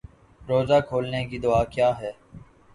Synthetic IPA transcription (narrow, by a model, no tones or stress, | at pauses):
ɾoːzaːkʰoːlneːkiːd̪ʊaːkjaːɦɛː